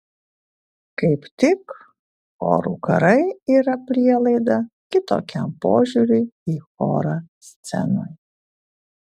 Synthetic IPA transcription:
kɐɪpt̪ʲɪk | xo̰ːɾṵːkɐ̰ɾɐɪiːɾɐpʲɾʲiɛlˠɐɪd̪ɐkʲɪt̪o̰ːkʲɛmpo̰ːʒʲuɾʲʊɪiːxo̰ːɾaːsʲt̪sʲɛ̰no̰ːj

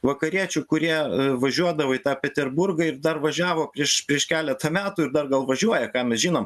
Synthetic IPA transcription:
ʋɐkɐɾʲiɛt͡ʃʲʊkʊɾʲiɛʋɐʒʲuɔd̪ɐʋoːit̪ɑːpʲɛt̪ʲɛrbʊrɡɐɪɾd̪ɐrʋɐʒʲæːʋoːpʲɾʲiɛʃpʲɾʲiɛʃkʲæːlʲɛt̪ɐmʲæːt̪uːɪɾd̪ɐrɡɐlˠʋɐʒʲuɔjɛkɑːmʲɛsʒʲiːnoːm

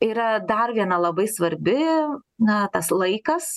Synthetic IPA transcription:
iːɾɐd̪ɐrʋʲiɛnɐlˠɐbɐɪsʋɐɾʲbʲɪnɐt̪ɐslˠɐɪkɐs

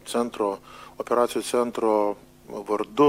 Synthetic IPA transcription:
t̪sʲɛnt̪ɾoːɔpʲɛɾɑːt̪sʲɪjut̪ʲɛnt̪ɾo | ʋɐɾd̪ʊ

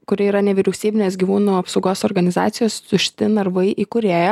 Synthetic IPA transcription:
kʊɾʲɪiːɾɐnʲɛʋʲiɾʲɛʊsʲiːbʲɪnʲeːs̬ɡʲiːʋuːnuːɐpsɐʊɡoːsɔɾɡɐnʲɪzɑ̰ːt̪sʲɪjoːst̪ʊʃʲt̪ʲɪnɐɾʋɐɪʔiːkʊɾʲeːjɛ

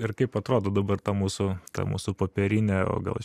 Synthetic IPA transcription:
ɪrkɐɪpɐt̪ɾoːd̪oːd̪ɐbɐrt̪ɐmuːsʊt̪ɐ̰mṵːsʊpoːpʲɛɾʲɪnʲɛo̰ːɡɐ̰lˠ

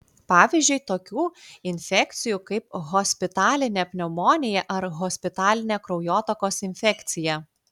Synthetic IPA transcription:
pɑːʋʲizʲd͡ʒʲʉɪt̪oːkʲuːɪnʲfʲɛkʲt̪sʲɪjuːkɐɪpɣoːsʲpʲɪt̪ɑːlʲɪnʲɛpʲnʲɛmoːnʲɪjɛʔɐɾɣoːsʲpʲɪt̪ɑːlʲɪnʲɛkɾɔʊjoːt̪ɐkoːsɪnʲfʲɛkʲt̪sʲɪjɛ

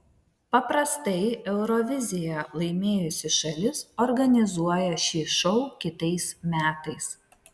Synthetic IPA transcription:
pɐpɾɐst̪ɐɪɛʊɾɔʋʲɪzʲɪjɛlˠɐɪmʲeːjʊsʲɪʃɐlʲɪsɔɾɡɐnʲɪzuɔjɛʃʲiːʃɔʊkʲɪt̪ɐɪsmʲæːt̪ɐɪs

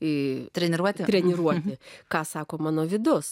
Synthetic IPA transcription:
ɪt̪ʲɾʲɛnʲɪɾuɔt̪ʲɪt̪ʲɾʲɛnʲɪɾuɔt̪ʲɪkɑːsɑːkoːmɑːnoːʋʲɪd̪ʊs

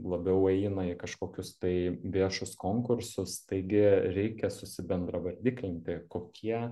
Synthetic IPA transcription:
lˠɐbʲɛʊɛɪnɐɪkɐʃkoːkʲʊst̪ɐɪʋʲiɛʃʊskoːŋkʊɾsʊst̪ɐɪɡʲɪɾʲɛɪkʲɛsʊsʲɪbʲɛnd̪ɾɐʋɐɾʲd̪ʲiːkʲlʲɪnʲt̪ʲɪkoːkʲʰiɛ

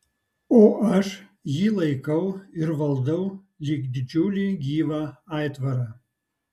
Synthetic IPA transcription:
oʔaʂjilˠɐjkʰɐwɪrʋɐlˠd̪ɐw | lʲikd̪ʲd͡ʒulʲiɡʲiːvaajtvɐɾɐ

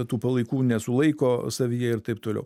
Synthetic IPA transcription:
t̪uːpɐlˠɐɪkuːnʲɛsʊlˠɐɪkoːsɐʋʲijɛɪɾt̪ɐɪp̚t̪oːlʲɛ̰ʊ

